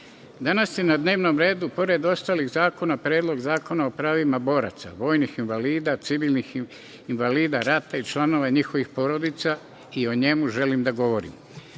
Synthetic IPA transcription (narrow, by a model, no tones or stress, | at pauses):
d̪anasjenad̪ne̞ːʋno̞mɾe̞ːd̪upo̞ɾe̞d̪o̞st̪aːliɣzaːko̞napɾje̞ːd̪lˠo̞ɡzaːko̞nao̞pɾaːʋimabo̞ɾa̰t̪sa̰ʋo̞ːjnixinʋaliːd̪at̪siʋilnix | inʋaliːd̪aɾat̪ait͡ʃlˠano̞ʋaɲixo̞ʋixpo̞ɾo̞d̪it̪sa | io̞ɲe̞muʒe̞limd̪aɡo̞ʋo̞ɾḭm